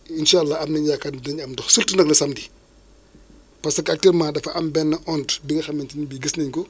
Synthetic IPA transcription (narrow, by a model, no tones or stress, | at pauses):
inʃalːɐɐmnɐɲjakaːtdɐɲɐmdɔxsultənɐklɐsɐmdi | pɐsɐkɐk̚tiːɾmaːdɐfɐʔɐmbɛnːɐʔɔntbiŋɡɐxɐmːɛntinbiːɡəsnɐɲkɔ